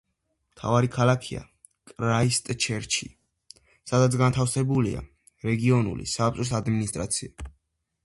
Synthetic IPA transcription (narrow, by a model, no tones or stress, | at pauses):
mt̪ʰa̰vaɾikʰalakʰia̰ | kʼɾaist̪ʼt͡ʃʰɛɾt͡ʃʰi | sad̪at̪s̬ʰɡant̪ʰafsɛbulia̰ | ɾɛɡiɔnṵlḭsapt͡ʃ̪ʼɾis̬ad̪minist̪ʼɾat̪sʰia